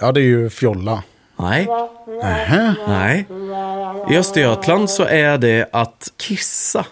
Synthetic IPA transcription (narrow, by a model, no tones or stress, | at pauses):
jɑːd̪ɛæɾjʉfjɔlːɑ | næ̰ɪ | hanæɪ | ʔɪ̰œst̪ɪœt̪ʰlɑnd̪sɔʔæd̪ɛʔɑt̪kʰɪsːɑ